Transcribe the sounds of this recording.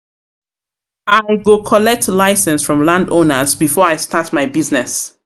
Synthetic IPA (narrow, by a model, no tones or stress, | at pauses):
aɪɡokʰɔlɛk̚tlaɪsɛ̃nsfɹɔ̃mlãndõnəzbifɔɹaɪstatmaɪbiznɛs